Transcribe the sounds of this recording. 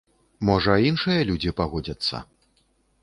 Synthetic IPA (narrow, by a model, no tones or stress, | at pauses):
mɔʐɐinʂɨjɐlʲud͡zʲipaɣɔd͡zʲɐt̪sːɐ̰